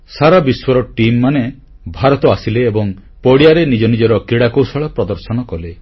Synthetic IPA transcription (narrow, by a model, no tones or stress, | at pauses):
saɾabiswɔɾɔʈimːane | bʱaɾɔt̪ɔasileːbɔŋ | pɔɽijaɾenid͡ʒɔnid͡ʒɔɾɔkiɽakowsɔɭɔpɾɔd̪ɔɾsɔnɔkɔle